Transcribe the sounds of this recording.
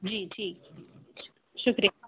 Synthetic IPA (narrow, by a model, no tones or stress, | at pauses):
d͡ʒiːʈʰiːk̚ | ʃʊkɾi